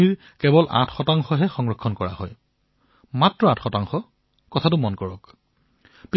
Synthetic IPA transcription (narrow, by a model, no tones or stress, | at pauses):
iɹ | kɛbɔlʔa̰tʰxɔtaŋxɔɦɛxɔŋɹɔkʰːɔnkɔɹa̰hɔj | matɹɔatʰxɔtaŋxɔ | kɔtʰatʊmɔnkɔɹɔk | pi